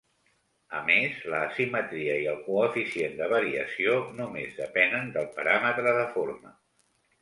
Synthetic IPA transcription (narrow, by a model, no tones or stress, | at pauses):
əmezləːsimət̪ɾiəiəlˠkuəfisiend̪əβ̞əɾiə̰sionumezðəpɛnənd̪əlˠpəɾamət̪ɾəðəfoɾmə̰